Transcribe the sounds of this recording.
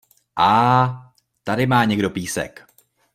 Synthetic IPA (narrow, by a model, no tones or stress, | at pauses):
ʔaː | t̪adɪmaːɲɛɡdo̞piːsɛ̰k